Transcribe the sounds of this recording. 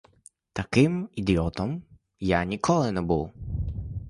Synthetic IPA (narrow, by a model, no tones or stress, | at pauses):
t̪ɐkɪmid̪ʲiɔt̪ɔm | janʲikʰɔlˠɪnɛbuw